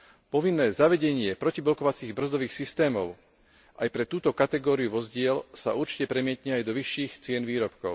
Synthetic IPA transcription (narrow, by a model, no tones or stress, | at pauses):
pɔʋinːɛːzaʋɛɟɛɲɪɛpɾɔciblɔkɔʋat͡siːɣbr̩zd̪ɔʋiːxsist̪ɛːmɔʊ | ʔajpɾɛt̪uːt̪ɔkat̪ɛɡɔːɾiuʋɔzɟɪɛlsa̰uɾt͡ʃi̥cɛpɾɛmɪɛt̪ɲɛajd̪ɔʋiʃːiːxt͡sɪɛnʋiːɾɔpkɔʊ